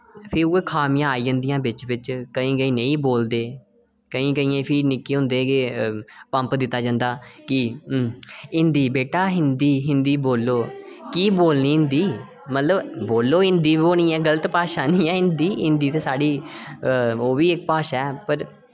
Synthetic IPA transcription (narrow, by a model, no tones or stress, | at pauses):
pʰɪɾuːeːkʰaːmɪjãːaːiːɦə̃nd̪ijãːbɪt͡ʃʋɪt͡ʃkəĩːkəĩːnəĩːboːld̪eː | kəĩːkəĩːẽːpʰɪɾnɪkːiːɦʊ̃nd̪eːɡeːpə̃mpd̪ɪt̪ːaːd͡ʒãːnd̪aːkɪ | ɪ̃nd̪iːbeːʈaːɦɪnd̪iːɦɪnd̪iːboːlːoːkiːboːlniːɦɪ̃nd̪iː | mət̪ləbboːlːoːɪnd̪iːoːnĩːɛːɡələt̪paːʃaːnĩːɛːɪnd̪iːɪnd̪iːt̪eːsaːɽiː | oːʋiːɪk̚paːʃaːɛːpəɾ